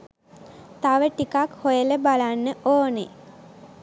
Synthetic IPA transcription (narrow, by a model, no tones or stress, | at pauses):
t̪aʋəʈikakhojələbalanːəʔoːne